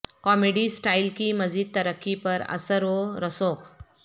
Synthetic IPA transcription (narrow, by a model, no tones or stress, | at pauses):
kɔmeɽiːsʈailkiːməd͡ziːd̪̚t̪əɾəkːipəɾə̰səɾɦoɾəsok